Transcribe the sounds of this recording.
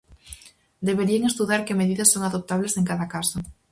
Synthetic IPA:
d̪eβeɾieŋest̪uðaɾkemeðiðasːoŋaðop̚t̪aβleseŋkaðakaso

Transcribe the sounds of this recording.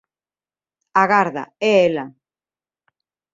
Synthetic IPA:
aɣaɾða̰ɛela

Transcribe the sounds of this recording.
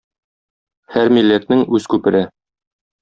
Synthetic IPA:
hæɾmilːæt̪nɘŋʉz̥kʉpɘ̆ɾɘ

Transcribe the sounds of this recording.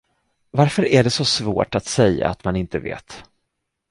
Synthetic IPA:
vaɾfœɾæɖɛsɔsvo̰ːʈat̪sɛjːa̰at̪manɪnt̪əvḛːt̪

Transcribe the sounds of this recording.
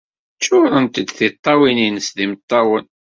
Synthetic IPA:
t͡ʃːʊɾənt̪əd̪θit̪ˤːɑwininəsðimət̪ˤːɑwən

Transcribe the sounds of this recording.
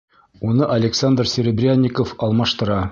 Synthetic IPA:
unɤʔɐlʲɪksand̪rsʲɪɾʲɪbrʲanʲːikofɒlˠmɑʃt̪ɤ̆ɾɑ

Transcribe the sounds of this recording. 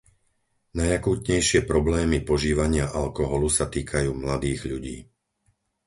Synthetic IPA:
najakuːt̪ɲɛjʃɪɛpɾɔblɛːmipɔʒiːʋaɲɪaʔalkɔɦɔlusat̪iːkʰajuːmlad̪iːɣʎuɟḭː

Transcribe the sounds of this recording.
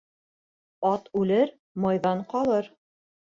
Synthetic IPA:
ɑt̪ʉlɘɾ | mɑjðɑɴqɑlˠɤɾ

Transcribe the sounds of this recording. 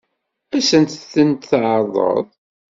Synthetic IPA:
æsənt̪θənt̪θʕəɾˤðˤə̰ðˤ

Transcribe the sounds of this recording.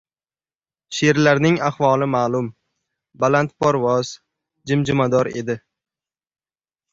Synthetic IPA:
ʃeɾlaɾnɪŋaχvɒlˠɪmaːlʊm | balant̪̚pʰɒɾvɒz̥ | d͡ʒɪmd͡ʒɪmad̪ɒɾe̞̰d̪ɪ

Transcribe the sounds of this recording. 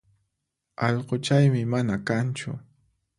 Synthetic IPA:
ɑʎqot͡ʃajmɪmanakant͡ʃʊ̰

